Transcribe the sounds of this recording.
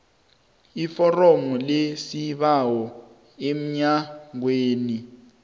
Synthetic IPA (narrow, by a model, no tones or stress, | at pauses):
ifɔrɔmɔlesiɓawɔ | em̩ɲaŋ̬weːni